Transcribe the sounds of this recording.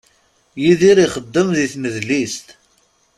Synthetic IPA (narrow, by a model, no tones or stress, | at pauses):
jiðiɾiχəd̪ːəmðiθməðlist̪